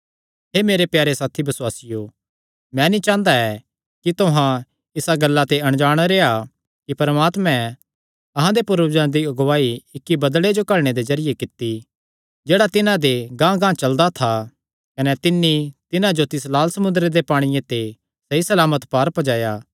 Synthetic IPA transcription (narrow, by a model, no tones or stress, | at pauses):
ɦemeːɾepjaːɾesaːt̪ʰibɐswaːsɪjo | mɛ̃ːnit͡ʃãːnd̪aɛ | kit̪oɦã | ɪsaɡɐlːat̪eɐɽ̃d͡ʒaːɽ̃aɾeːa | kipɐɾmaːt̪mɛ̃ | ɐɦãd̪epʊɾəbd͡ʒãd̪iɐɡʋaːiɪkːibɐd̪ɭed͡ʒokɐɽɽ̃ed̪ezɐɾɪjekɪt̪ːi | d͡ʒeːɽat̪ɪnãd̪eɡãːɡãːt͡ʃɐld̪at̪ʰa | kɐnɛt̪ɪnːit̪ɪnãd͡ʒot̪ɪs̬laːlsɐmʊnd̪ɾed̪epaːɽ̃ɪjẽt̪e | sɐisɐlaːmət̪paːɾpɐd͡ʒaːjaː